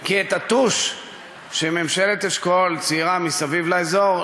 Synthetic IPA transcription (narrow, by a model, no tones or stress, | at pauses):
kiet̪at̪uʃ | ʃememʃelet̪eʃkolt͡siʁamisavivlaezo̞ʁ